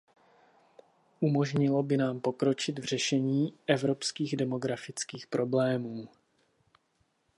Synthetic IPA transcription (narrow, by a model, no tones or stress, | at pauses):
ʔumo̞ʒɲɪlo̞bɪnaːmpo̞kɾo̞t͡ʃɪt̪vr̝̥ɛʃɛɲiːʔɛvɾopskiːɣdɛmo̞ɡɾafɪt͡skiːxpɾo̞blɛːmuː